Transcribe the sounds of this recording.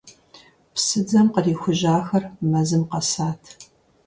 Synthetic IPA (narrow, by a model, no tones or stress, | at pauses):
psɨd͡zɐmqəriːxʷʊʑaːxɐrmɐzɨmqɐsaːtʰ